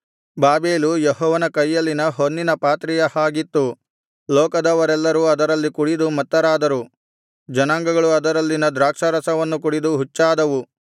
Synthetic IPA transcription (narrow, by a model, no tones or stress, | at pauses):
baːbeːlujɛɦɔːʋɐnɐkɐjːɐlːinɐɦonːinɐpaːt̪ɾijɐhaːɡit̪ːu | lɔːkɐd̪ɐʋɐɾɛlːɐɾuɐd̪ɐɾɐlːikuɽid̪umɐt̪ːɐɾaːd̪ɐɾu | d͡ʒɐnaːŋɡɐɡɐɭuɐd̪ɐɾɐlːinɐd̪ɾaːkʂɐɾɐsɐʋɐnːukuɽid̪uɦut͡ʃːaːd̪ɐʋu